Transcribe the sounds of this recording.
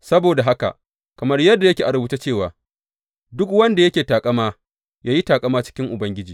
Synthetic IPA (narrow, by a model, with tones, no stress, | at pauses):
sɐ˦boː˨da˨ɦa˦ka̰˨ʔ | kɐ˨mɐ˦rjɐ˦dːa˨jɐ˦kʲeː˨ʔa˨ɽʊ˦bʊ˦ta˦t͡ʃeː˦˨waː˨ | dʊ˦kwɐ˦nda˨jɐ˦kʲeː˨taː˨kʼɐ˦maː˦ | jaː˦ji˦taː˨kʼɐ˦maː˦t͡ʃɪ̥˦kʲɪ˦ŋʔʊ˨bɐ˦ŋɡʲɪ˦d͡ʒiː˨